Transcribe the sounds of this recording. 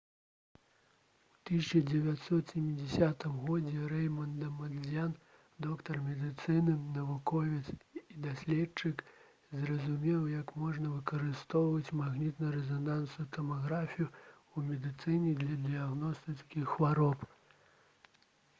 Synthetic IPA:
ut̪ɨsʲt͡ʃɐd͡zʲɛvʲat̪ʲsɔt̪sʲemʲid͡zʲɛsʲat̪ɨmɣɔd͡zʲɛɾɛjmɐnd̪ɐmɐzʲjan | d̪ɔkt̪ɐrmʲɛd̪ɨt̪sɨnɨnɐvukɔvʲit̪sid̪asʲlʲɛt͡ʂɨk | zrɐzumʲɛwjɐkmɔʐnɐvɨkɐɾɨst̪ɔwvɐt͡sʲmaɣnʲit̪nɐɾɛzɔnansujut̪ɐmaɣɾafʲiju | umʲɛd̪ɨt̪sɨnʲɛd̪lʲɐd̪ɨjaɣnɔst̪ɨt͡skʲixxvaɾɔp

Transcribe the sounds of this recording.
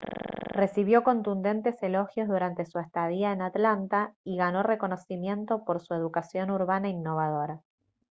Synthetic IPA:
re̞siβjo̞ko̞nt̪und̪e̞nt̪e̞se̞lo̞xjo̞zðuɾant̪e̞suest̪aðiaenat̪lant̪aiɣano̞re̞ko̞no̞simje̞nt̪o̞po̞ɾsue̞ð̞ukasjo̞nuɾβanainːo̞β̞að̞o̞ɾa

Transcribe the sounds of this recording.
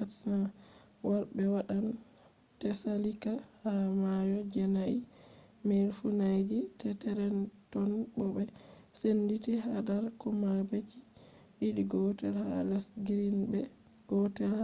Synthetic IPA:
atsa | waɾbɛwaɗan | tɛsalikahamajɔd͡ʒɛnai | melfunajɡitɛtɛɾɛntɔnbɔbɛ | senditiɦadaɾkɔmabeki̥ | wiɗiɡɔtɛlhalɛsɡiɾinbɛ | ɡ̥ɔtɛlha

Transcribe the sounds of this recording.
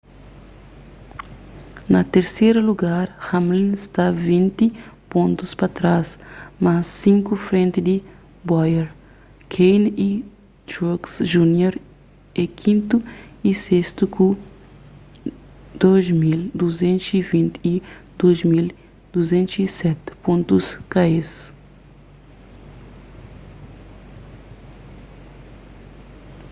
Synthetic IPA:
nɐt̪eɾsejɾɐluɡaɾhãmlĩnst̪avĩnt̪ipõnt̪uspɐt̪ɾasmasːĩŋkufɾẽnt̪ɪd̪i | bɔjɛɾ | kʰejni | t̪uksʒunjoɾ | ekʰĩnt̪uisest̪uku | d̪̥ozmild̪uzẽnt̪ʊsivĩnt̪id̪̥ozmil | d̪̥uzẽnt̪sisɛt̪põnt̪uskaes

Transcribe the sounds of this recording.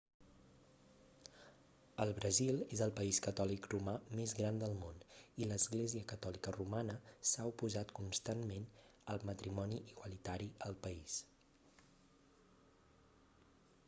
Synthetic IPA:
əlˠβɾəzilˠezəlˠpəiskət̪ɔlikrumamezɣɾand̪əlˠmoniləzɣleziəkət̪ɔlikərumanəsaupuzat̪kunst̪anmenəlˠmət̪ɾimɔniʔiɣwəlit̪aɾiəlˠpəis

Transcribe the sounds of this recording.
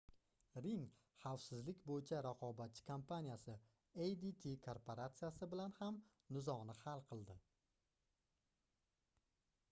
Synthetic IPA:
ɾɪŋ | χawfsɪzlɪkʲbojɪt͡ʃʰaɾaqʰɒbat̪̚t͡ʃʰːɪ̥kʰompʰanijasɪ | ejd̪it̪ʰikʰoɾpʰoɾat̪sɨjasɪbɪlanham | nɪzɒʁnɪhalˠqʰɨlˠd̪ɪ

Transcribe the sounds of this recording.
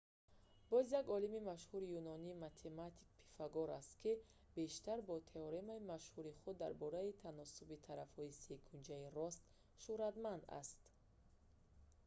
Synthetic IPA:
b̥ɔzjaɡɔlimimaʃhuɾijunɔniːmat̪ʰe̞mat̪ʰi̥k̚pʰi̥faɡɔɾast̪kʰi | be̞ʃt̪aɾbɔt̪ʰe̞ɔɾemaimaʃhuɾiχud̪ːa̰ɾbɔɾait̪ʰanɔsubit̪ʰaɾafhɔisekʰund͡ʒaiɾɔst̪ | ʃuɾad̪mand̪a̰st̪

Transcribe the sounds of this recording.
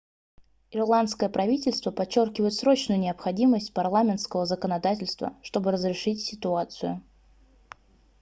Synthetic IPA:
ɪrlˠant̪skəjəpɾɐvʲitʲɪlʲst̪vəpɐt͡ɕːo̞rkʲɪvəjɪt̪sɾo̞t͡ɕnʊjʊnʲɪɐpxɐdʲiməsʲtʲpɐrlˠamʲɪnt̪skəvəzəkənɐd̪atʲɪlʲst̪və̰ʂt̪o̞bɨɾəzɾʲɪʂɨtʲsʲɪt̪ʊat̪sɨjʊ̰

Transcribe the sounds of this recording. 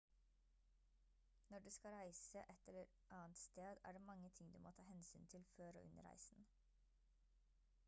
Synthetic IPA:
nɔɖʉːskɑɾæɪsəʔɛt̪ɛləɾ | ʔɑːnt̪st̪eːd̪æ̰ːɖeːmɑŋət̪ʰɪŋd̪ʉːmoːt̪ʰɑːhɛnsyːnt̪ʰɪlføːɾo̰ːʔʉnə̰ɾæ̰ɪsn̩

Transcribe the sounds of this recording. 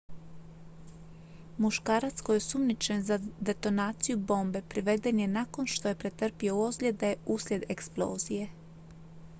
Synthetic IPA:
muʃkaːɾat̪sko̞jesumnit͡ʃe̞nzad̪e̞t̪o̞naːt̪sijubo̞ːmbe̞pɾiʋe̞d̪e̞nje̞nako̞nʃt̪o̞je̞pɾe̞t̪r̩pio̞uozlʲe̞d̪euslʲe̞d̪eksplˠo̞̰ːzije̞

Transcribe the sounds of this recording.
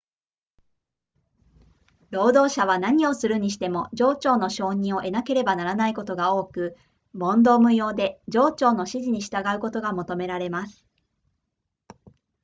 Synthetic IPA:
ɾo̞ːd̪o̞ːɕaβ̞anaɲ̟io̞sɨɾɯ̟ɲ̟iɕi̥t̪e̞mo̞d͡ʑo̞ːt͡ɕo̞ːno̞ɕo̞ːɲ̟ĩɰ̃o̞ʔe̞nake̞ɾe̞banaɾanaiko̞t̪o̞ɡao̞ːkɯ̟ | mõ̞nd̪o̞ːmɯ̟jo̞ːd̪e̞d͡ʑo̞ːt͡ɕo̞ːno̞ɕiʑiɲ̟iɕi̥t̪aɡaɯ̟ko̞t̪o̞ɡamo̞t̪o̞me̞ɾaɾe̞masɨ̥

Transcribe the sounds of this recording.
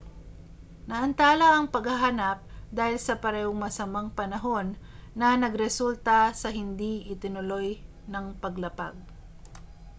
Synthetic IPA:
nɐʔɐnt̪aːlɐʔɐŋpɐɡhɐɦaːnɐp̚d̪aːhɪlsɐpɐɾɛːhoŋmɐsɐmaŋpɐnɐɦo̞nː | ɐnɐɡɾɛsult̪ɐsɐɦɪnd̪iʔɪt̪ɪnʊlo̞j | nɐŋpɐɡlɐpaɡ̚

